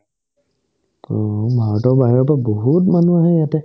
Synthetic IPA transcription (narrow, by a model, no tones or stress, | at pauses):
ɔbʱaɹɔtɔʊbaɦiɔpɔabɔɦutmanuaɦɛjatɛ